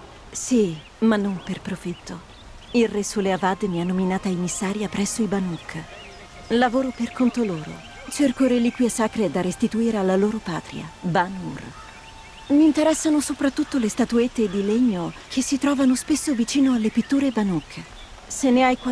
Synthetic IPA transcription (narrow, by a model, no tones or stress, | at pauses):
si | manːomperpɾofit̪ːo | ilresuleavaːd̪emianːominaːt̪aimːisːaːɾjapɾɛsːoibanukʰː | lavoːɾoperkʰont̪oloːɾo̰ | t͡ʃerkoɾeliːkwjesaːkɾed̪arest̪it̪uiːɾealːaloːɾopa̰ːt̪ɾḭa̰banṵr | miːnt̪eɾɛsːanosopɾat̪ːut̪ːolest̪at̪uet̪ːed̪ileɲːok̟ʰesːit̪ɾɔːvanospesːovit͡ʃiːnoalːepit̪ːuːɾebanukː | senːeajka